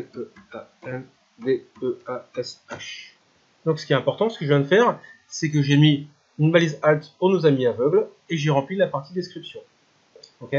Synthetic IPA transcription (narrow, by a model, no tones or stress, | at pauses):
øaɛn | d̪eøaɛsaʃ | d̪ɔ̃ksə̥kiɛt̪ɛ̃pɔʁt̪ɑ̃sə̥kəʒəvjɛ̃d̪əfɛːʁ | sɛk̬əʒemi | ynbalizalt̪puʁnozamiavœɡl | eʒeʁɑ̃plilapaʁt̪id̪ɛskχipsjɔ̃ | okʲe